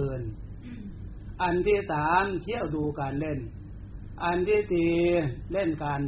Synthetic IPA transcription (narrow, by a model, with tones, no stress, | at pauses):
n | ʔa˧nt̪iː˧˩saː˨˦mkʰi˧˥˨əwduː˧kaː˨nle˧˥˨n | ʔa˨˧nd̪eː˧˥˨t̪iː˧˩le˧˥˩nkaː˨˧n